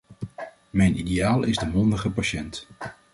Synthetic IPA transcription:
mɛjnidejaːlˠɪzdəmɔndəχəpaʃɛnt

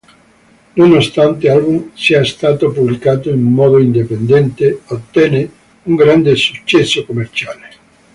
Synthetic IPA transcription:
nonost̪ant̪ealbuŋsiaest̪at̪opuβlikat̪oiŋumɔðoind̪epend̪ɛnt̪eot̪ːɛne | uŋɡɾand̪esut͡ʃːɛsokomeɾt͡ʃale

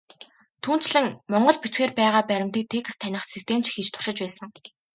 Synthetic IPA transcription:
t̪ʰuːn̥t͡ɕɮɘ̆ŋmɔɴɢɞ̆ɮpit͡ɕxeːrpæːʁaːpæɾʲɪ̆mt̪iːk̚t̪ʰeːk̆st̪ʰːænʲɪ̆χt͡ɕsist̪ʰeːm̥t͡ɕxit͡ɕt̪ʰʊ̥ʃɪ̆t͡ɕpæːsə̆ŋ

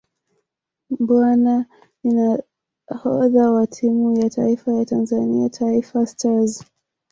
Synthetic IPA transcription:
bwana | ina | hɔðawatʰimujatʰaifajatanzaniatʰaifastaz

